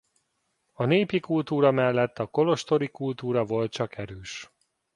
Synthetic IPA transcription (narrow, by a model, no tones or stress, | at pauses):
ɒneːpikult̪uːɾɒmɛlːɛt̪ʰːɒko̞lo̞ʃt̪o̞ɾikult̪uːɾɒvo̞lt̪̚t͡ʃɒkʰɛɾøːʃ